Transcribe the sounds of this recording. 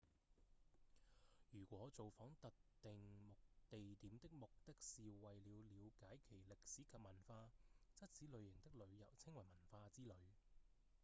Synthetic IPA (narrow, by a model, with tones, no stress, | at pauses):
jyː˨˩kʷɔː˨˥t͡so˨wfɔː˨˥ŋt̪ɐ˨k̚t̪ɪ˨ŋmʊ˨k̚t̪e˨jt̪iː˨˥mt̪ɪ˥k̚mʊ˨k̚t̪ɪ˥k̚siː˨wɐ˨jliː˨˧wliː˨˧wkaː˨˥jkʰe˨˩jlɪ˨k̚siː˨˥kʰɐ˨p̚mɐ˨˩nfaː˧t͡sɐ˥t̚t͡siː˨˥lɵ˨˧ɥjɪ˨˩ŋt̪ɪ˥k̚lɵ˨˧ɥjɐ˨˩wt͡sʰɪ˥ŋwɐ˨˩jmɐ˨˩nfaː˧t͡siː˥lɵ˨˧ɥ